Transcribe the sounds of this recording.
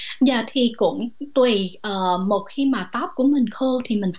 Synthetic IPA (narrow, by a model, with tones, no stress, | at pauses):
zaː˨˩t̪ʰi˨˩kʊ̰˧˥ŋ͡mt̪wi˨˩ʔəː˨˩mo˨˩t̚xi˧maː˨˩t̪ɔ˦˥p̚ku˧˩əmï˨˩ŋ̟xoː˧t̪ʰi˨˩mï˨˩ŋ̟